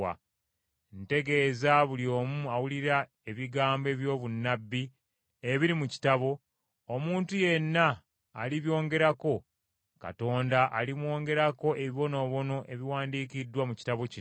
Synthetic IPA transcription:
a̰ | nte̞ɡe̞ːzaβuljo̞ːmuawuliɾa | e̞βiɡaːmbe̞ːβjo̞ːβunːabːi | e̞βiɾimuci̥taβo̞ | omuːntuje̞nːaː | liβjo̞ːŋɡe̞ɾako̞ | ka̰to̞ːndaʔalimwo̞ːŋɡe̞ɾako̞ʔe̞βiβo̞no̞ːβo̞no̞ʔe̞βiwaːndikidːwamuci̥taβo̞ci

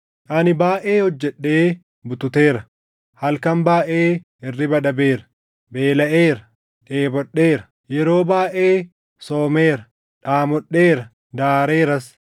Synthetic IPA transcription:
ʔɐnɪbaːʔe̞ːhɔd͡ʒːɛɗːe̞ː | bʊt̪ʊt̪eːɾɐ | hɐlkɐmbaːʔeː | ɪrːɪbɐᶑɐbeːɾɐ̥ | beːlɐʔeːɾɐ | ᶑeːbɔᶑːeːɾɐ̥ | jɛɾo̞ːbaːʔeː | soːme̞ːɾɐ | ᶑaːmɔɗːeːɾɐ | d̪aːɾeːɾɐs

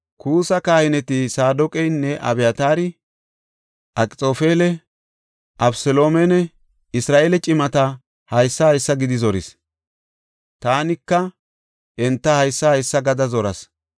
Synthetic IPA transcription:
kʰuːsɐkaːhɪnɛt̪ɪsaːd̪ɔkʼɛjnːɛʔɐ̰bɛjɐt̪aːɾɪ | ʔɐkʼɪt͡sʼo̞ːfeːlɛ | ʔɐbsɛlo̞ːmɛnɛ | ɪsɾaːʔeːlɛt͡ʃʼɪmɐt̪ɐ | hɐjsːɐhɐjsːɐɡɪd̪ɪzɔɾɪ̰s | t̪aːnɪkːɐ | ʔɛnt̪ːɐhɐjsːɐhɐjsːɐɡɐd̪ɐzɔɾɐs

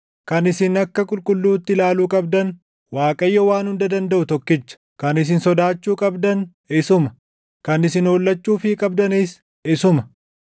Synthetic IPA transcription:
kɐnɪsɪnɐkːɐkʼʊlkʼʊlːuːt̪ːɪlaːluːkʼɐbd̪ɐn | waːkʼɐjːɔwaːnhʊnd̪ɐd̪ɐnd̪ɐʔʊt̪ɔkːɪt͡ʃːɐ̥ | kɐnɪs̬ɪnsɔd̪aːt͡ʃːuːkʼɐbd̪ɐn | ɪsʊmɐ | kɐnɪsɪnoːlːɐt͡ʃːuːfɪkʼɐb̚d̪ɐniːs | ɪsʊmɐ

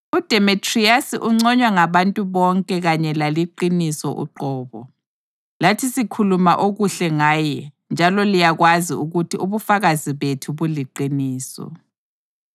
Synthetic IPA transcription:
ud̥ʱemitʰʼriasiʔuŋ͡ǀɔɲwaŋaβantʼuβɔŋkʼɛɣaɲɛlaliǃinisɔʔṵǃɔːβɔ̰ | latʰisikʰuluma̰ʔoɣuɬɛŋaːjɛ | nd͡ʒʱalɔlijaɣwazḭuɣutʰiuβufaɣaziβetʰuβuliǃiniːsɔ̰

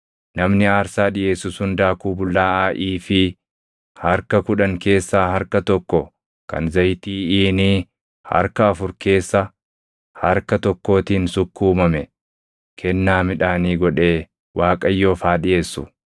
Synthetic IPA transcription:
nɐmnɪaːɾsaːᶑɪʔe̞ːsːʊshʊnd̪aːkuːbʊlːaːaːʔiːfɪ | hɐɾkɐkʊᶑɐŋke̞ːsːaːhɐɾkɐt̪ɔkːɔ | kɐ̰nzɐjt̪iːiːniː | hɐ̰ɾkɐːfʊɾke̞ːsːɐ | hɐɾkɐt̪ɔkːo̞ːt̪iːnsʊkːuːmɐmɛ | kʰɛnːaːmɪᶑaːniːɡɔᶑe̞ː | wʔaːkʼɐjːo̞ːfaːᶑɪʔe̞ːsːʊ

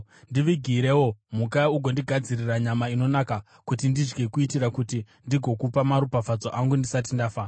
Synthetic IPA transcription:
ndiʋiɡʱiɾe̞wo̞mukauɡʱo̞ndiɡʱad͡ziriraɲamaino̞naka | kutindid͡ʒɡe̞kuitiɾakuti | ndiɡʱo̞kupamaɾupafad͡zo̞ʔaŋɡundisat̬indafa

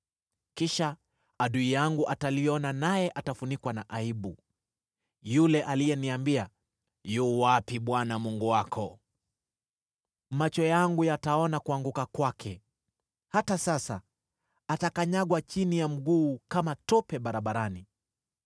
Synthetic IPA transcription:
kiʃa | aɗuijaŋɡuʔatalijɔnanajɛʔatafunikwanaʔaiɓu | julɛʔalijɛniambia | juːwapiɓwanamuŋɡuwakʰɔ | mat͡ʃɔjaŋɡujataɔnakuaŋɡukakwakʰɛ | hatasasa | atakaɲaɡwat͡ʃinijam̩ɡuːkamatɔpɛɓaɾaɓaɾani

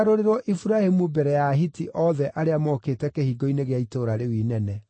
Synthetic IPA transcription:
aɾoɾeɾwɔʔifuɾahemubɛɾɛjaɦitiʔɔðɛʔaɾeamɔkeːtɛkehiːɡɔineɣeaitoɾaɾewinɛnɛ

